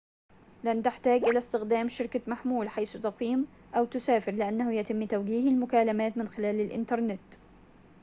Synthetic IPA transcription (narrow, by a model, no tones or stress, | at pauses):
lant̪ɪħt̪aːɡʔɪlast̪ɪxd̪aːmʃɪɾkamaħmuːlħajst̪ɑqiːm | ʔawt̪ʊsaːfɪɾlɪʔanːahʊjat̪ɪmːt̪awɡiːhɪlmʊkaːlamaːt̪mɪnxɪlaːlɪlʔɪ̰nt̪ɑɾˤnɪt̪